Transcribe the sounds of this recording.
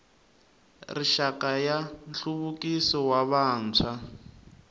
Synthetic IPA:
riʃakajant͡ɬuβukisɔwaβaːnt͡sʰwa

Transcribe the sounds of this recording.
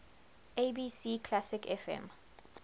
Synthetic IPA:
ebisikʰlasikʰɛfɛ̰̃m

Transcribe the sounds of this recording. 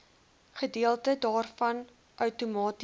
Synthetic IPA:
χədiəlˠtədɑːrfɐn | ʔœwtumɑːt

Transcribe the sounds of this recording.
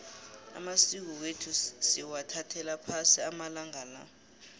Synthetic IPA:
a̰masik̬ɔw̬etʰusiwatʰatʰɛlapʰasiamalaŋala̰

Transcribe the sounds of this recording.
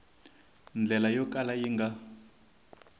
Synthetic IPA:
nd͡ɮɛlajɔkʼalajiŋɡa

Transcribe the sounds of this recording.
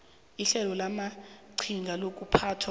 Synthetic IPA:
iɬɛlɔlamaǀʰiŋɡʱalok̬ʼupʰaːtʰwa

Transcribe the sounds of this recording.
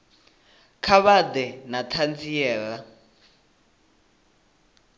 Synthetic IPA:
kʰaβad̪ɛnatʰand͡zijɛːɺa

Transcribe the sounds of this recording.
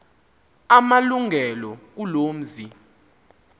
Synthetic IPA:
amaluŋʱɛlɔk̬ulom̩zi

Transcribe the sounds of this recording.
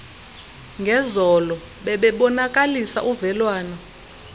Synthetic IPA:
ŋɡʱɛzɔlɔ | ɓɛɓɛɓɔnak̬ʼalisa̰ʔuvɛlwaːnɔ

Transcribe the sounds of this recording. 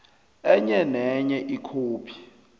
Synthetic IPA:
ɛɲɛnɛɲɛʔikʰoːpʰi̥

